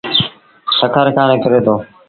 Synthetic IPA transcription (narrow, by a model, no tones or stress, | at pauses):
səkʰəɾkaːɾẽːkəɾeːt̪oː